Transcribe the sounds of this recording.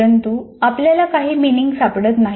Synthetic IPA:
ənt̪uapljalakaɦiːminiŋɡsapɽət̪naɦ

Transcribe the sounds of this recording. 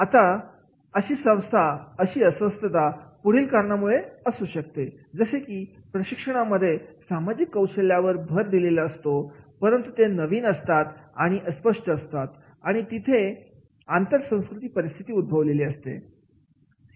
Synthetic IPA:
at̪a | əɕiːsə̃w̃st̪ʰaəɕiːəsʋəst̪ʰət̪apuɽ̤iːlkaɾɳamuɭeəsuːɕək̚t̪e | d͡zəsekiːpɾəɕikʂəɽ̃aməd̪ʱːjesamad͡ʑikːəwɕəljaʋəɾbʱəɾd̪ileləːst̪opəɾənt̪ut̪enəʋiːnəst̪at̪aɽ̃iʔəspəʂʈəːst̪at̪ | aɽ̃it̪it̪ʰe | ant̪əɾsə̃w̃skɾut̪iːpəɾist̪ʰit̪iːud̪̚bʱəʋleliːəst̪ḛ

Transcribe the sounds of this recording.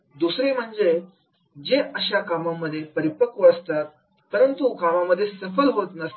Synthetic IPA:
d̪usɾem̤əɳd͡ze | d͡ʑeʔəɕjakamamːəd̪ʱːjepəɾipəkuəst̪at̪̚ | pəɾənt̪ukamamːəd̪ʱːjesəfəlɦot̪nəst̪

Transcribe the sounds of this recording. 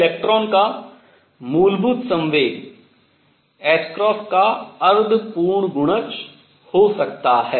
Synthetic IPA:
leːk̚ʈɾɔːnka | muːlbʱud̪sɐ̃mʋeːɡ | ɛːskɾɔːskaɐɾd̪ʱpuːɾɳɡʊɽ̃ət͡ʃ | hosɐk̚t̪aɦɛː

